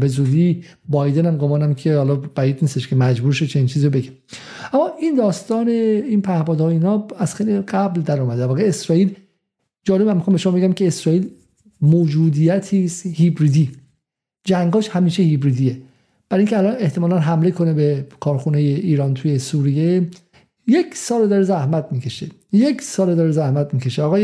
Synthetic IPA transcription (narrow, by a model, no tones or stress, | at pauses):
be̞zuːd̪i | bɒjd̪enæmɡomɒːnæmkʰe̞hɒlɒb̥æiːd̪̚niːst̪eʃkʰe̞mæd͡ʒbuːɾʃot͡ʃʰe̞niːnt͡ʃʰiːziɾobeɡæmʔæmːɒːʔind̪ɒːst̪ɒːneinpʰæhbɒːd̪ɒːiːnɒæz̥xeliɡæbld̪æɾɔːmæd̪æɾvɒːɣeesɾɒːiːl | d͡ʒɒːlemæmːixɑmbeʃoɒbeɡʲæmkʰeːsɾɒːiːl | moːd͡ʒuːd̪ijæt̪ʰiːst̪hibɾiːd̪iː | d͡ʒæŋɡɒːʃhæmiːʃehibɾiːd̪ije | b̥æɾiŋkcʰeælɒːne̞ht̪e̞mɒːlænɦæmle̞kʰo̞nebekʰɒːɾxunejeʔiːɾɒːnt̪ʰuːjesuɾije | jekʰsɒːled̪ɒːɾezæhmæt̪̚ʰmiːcʰe̞ʃejekʰsɒːled̪ɒɾezæhmæt̪̚miːcʰe̞ʃeɒɣɒːj